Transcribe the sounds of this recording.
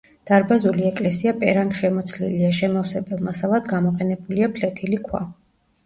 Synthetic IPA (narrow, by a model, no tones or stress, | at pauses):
d̪̥aɾbazuliɛkʼlɛsiapʼɛɾaŋkʃɛmɔt̪sʰlḭliaʃɛmafsɛbɛlˠmasalˠad̪ɡamɔqʼɛnɛbuliapʰlɛt̪ʰilikʰwa̰